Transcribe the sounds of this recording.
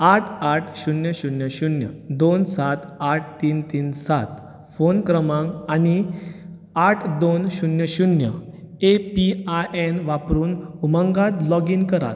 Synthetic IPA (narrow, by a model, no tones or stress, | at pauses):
aʈʰaʈʰɕunjəɕunjəɕunjə̰d̪onsat̪aʈʰt̪iːnt̪iːnsat̪ | fonkɾəmãŋañi | aʈʰd̪onɕunjəɕunjəepiaʔenʋapɾuːnuməŋɡat̪lɔɡiːnkəɾa̰ɾ